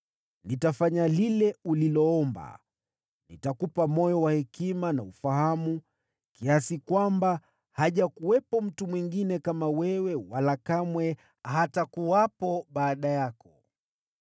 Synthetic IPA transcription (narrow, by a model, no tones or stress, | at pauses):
nitafaɲalilɛulilɔɔmba̰ | nḭtakupamɔjɔwahɛkimanaufahamu | kiasikwamba | haʄakuwɛpɔm̩tumwiŋɡinɛkamawɛwɛwalakamwɛ | hatakuwapɔɓaːɗajakɔ